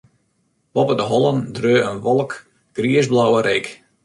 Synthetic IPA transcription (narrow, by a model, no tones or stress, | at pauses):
b̥ɔpədəɦɔləndrøːənʋɔlˠək | ɡ̥riəzblawəɾek